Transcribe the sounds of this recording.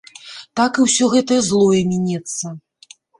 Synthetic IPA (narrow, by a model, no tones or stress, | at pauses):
t̪akɨwsʲɔɣɛt̪ɐjɐzlˠɔjɛmʲinʲɛt̪sːɐ